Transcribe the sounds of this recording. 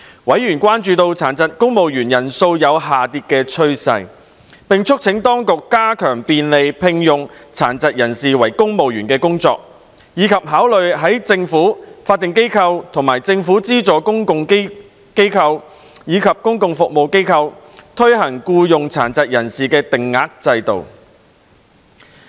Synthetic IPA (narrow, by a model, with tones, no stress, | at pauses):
wɐ˨˥jyː˨˩nkwaː˥nt͡ʃyː˧t̪o˧wt͡sʰaː˨˩nt͡sɐ˨t̚kʊ˥ŋmo˨wjyː˨˩njɐ˨˩nso˧wjɐ˨˧wɦaː˨t̪iː˧t̚kɛː˧t͡ʃʰɵ˥ɥsɐ̰˧j | pɪ˨ŋt͡ʃʰʊ˥k̚t͡sʰɪ˨˥ŋt̪ɔː˥ŋkʊ˨kːaː˥kʰœː˨˩ŋpiː˧nle˨˧jpʰɪ˧ŋjʊ˨ŋt͡sʰaː˨˩nt͡sɐ˨t̚jɐ˨˩nsiː˨wɐ˨˩jkʊ˥ŋmo˨wjyː˨˩nkɛː˧kʊ˥ŋt͡sɔ̰ː˧k̚ | jiː˨˧kʰɐ˨p̚ɦaː˨˥wlɵ˨ɥɦɐ˨˥jt͡sɪ˧ŋfuː˨˥faː˧t̪̚ːɪ˨ŋk̬e˥jkʰɐ˧wt̪ʰʊ˨˩ŋmaː˨˩jt͡sɪ˧ŋfuː˨˥t͡siː˥t͡sɔː˨˥kʊ˥ŋkʊ˧ŋk | ke˥jkʰɐ˧w | jiː˨˧kʰɐ˨p̚kʊ˥ŋkʊ˧ŋfʊ˨k̚mo˨wke˥jkʰɐ˧w | t̪ʰɵ˥ɥɦɐ˨˩ŋkuː˧jʊ˨ŋt͡sʰa̰ː˨˩nt͡sɐ˨t̚jɐ˨˩nsiː˨kɛː˧t̪ɪ˨ŋːaː˨k̚t͡sɐ˧jt̪o̰˨w